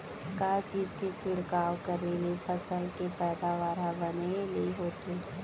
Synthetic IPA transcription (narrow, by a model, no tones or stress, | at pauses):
kat͡ʃiːd͡ʒket͡ʃʰɪɽkaːwkəɾelepʰəsəlkepɛːd̪aʋaːɾabəneleɦoːt̪e